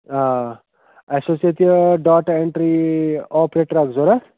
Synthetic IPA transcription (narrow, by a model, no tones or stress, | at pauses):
a | esosiet̪iɖaːʈeɳʈɾiɔpɾeʈɾakʰd͡zoɾa